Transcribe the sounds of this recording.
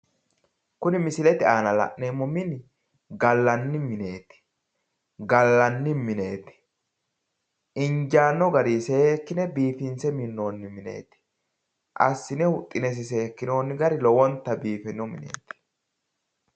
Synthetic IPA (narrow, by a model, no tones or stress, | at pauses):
kʊnɪmɪsɪlɛt̪ɪaːnɐlɐ̰ʔnemːɔmɪnɪ | ɡɐlːɐnːɪmɪne̞ːt̪ɪ̥ | ɡɐlːɐnːɪmɪneːt̪ɪ̥ | ɪɲd͡ʒaːnːɔɡɐɾiːsekːɪnɛbiːfɪnsɛmɪnːo̞ːnːɪmɪnḛːt̪ɪ̥ | ʔɐ̰sːɪnɛhʊt̪ʼːɪnɛs̬ɪs̬e̞ːkːɪno̞ːnːɪɡɐɾɪlɔwɔnt̪ːɐbiːfɛnɔmɪ̰nḛːt̪ɪ̥